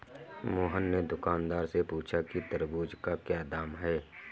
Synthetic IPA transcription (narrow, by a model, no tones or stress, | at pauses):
moːɦənːed̪ʊkaːnd̪aːɾsepuːt͡ʃʰakit̪əɾbuːd͡ʒkakjaːd̪aːmɦɛː